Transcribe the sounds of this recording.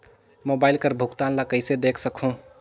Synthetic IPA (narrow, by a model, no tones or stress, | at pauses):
moːbaːɪlkəɾbʱukt̪anlakəɪsed̪ekʰsəkʰũ